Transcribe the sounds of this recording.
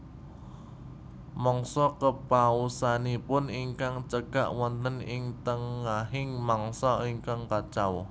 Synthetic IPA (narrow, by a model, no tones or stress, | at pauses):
mɔŋsɔkəpausanipʊniŋkaŋt͡ʃəɡ̥a̰ʔwɔnt̪ənɪŋt̪əŋaɦɪŋmɔŋsɔiŋkaŋkat͡ʃaw